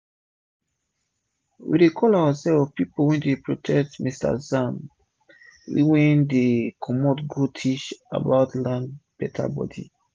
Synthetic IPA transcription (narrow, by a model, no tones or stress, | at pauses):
wḭdekʰɔlawasɛvɔfpipowɛ̃ndepɹotʰɛk̚tmista̰zãn | ḭwɛ̃ndekʰɔmɔtɡutʰit͡ʃa̰baʊtlãnb̥ɛtʰa̰bɔ̰dḭ